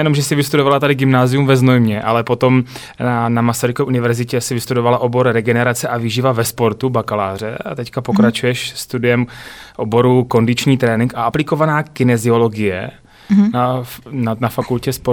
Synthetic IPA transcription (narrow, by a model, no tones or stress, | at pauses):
jɛnomʒɛsɪvɪst̪udo̞valat̪adɪɡɪmnaːzɪjumvɛznojmɲɛʔa̰lɛpo̞t̪o̞m | anamasaɾɪkoɛʔunɪvɛɾzɪcɛsɪvɪst̪udo̞valaʔo̞bo̞ɾɾɛɡɛnɛɾat͡sɛʔavɪʒivavɛspo̞ɾt̪ubakalaːr̝ɛ̰a̰t̪ɛckapo̞kɾat͡ʃujɛʃst̪udɪjɛmʔobo̞ɾuko̞ndɪt͡ʃɲiːt̪ɾɛːnɪŋkʔaʔaplɪko̞vanaːkɪnɛzɪo̞lo̞ɡɪjɛ̰ | nananafakulcɛspo